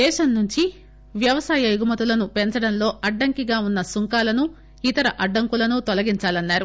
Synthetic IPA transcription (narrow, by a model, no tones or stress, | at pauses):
d̪ɛːʃɐnnuɲt͡ʃi | ʋjɐʋɐsaːjɐjuɡumɐt̪ulɐnupeɲt͡ʃɐɽɐnlo̞ːʔɐɖːɐŋkiɡaːunːɐsuŋkaːlɐnu | it̪ɐɾɐʔɐɖːɐŋkulɐnut̪ɔlɐɡiɲt͡ʃaːlɐnːaːɾu